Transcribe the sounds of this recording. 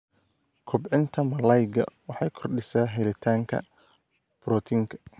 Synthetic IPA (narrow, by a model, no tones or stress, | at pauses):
kʰɔbʕɪnt̪ʰɐmɐlɐjɡɐ̰wɑħɑjkʰɔrɗɪsaːɦɛlɪt̪ʰaːŋkʰɐ̰ | b̥ɾɔt̪ʰɪŋkʰɐ̥